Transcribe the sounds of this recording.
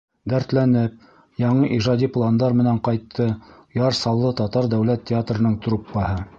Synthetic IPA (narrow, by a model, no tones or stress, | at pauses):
d̪æɾt̪lænɘp̚ | jɑɴɤʔiʒɑd̪ʲiplˠand̪ɑɾmɘ̆næɴqɑjt̪ʰːɤ | jɑɾsɑlˠːɤt̪ɑt̪ɑɾd̪æwlæt̪ʲːɪat̪rɤ̆nɤɴt̪rupːɑhɤ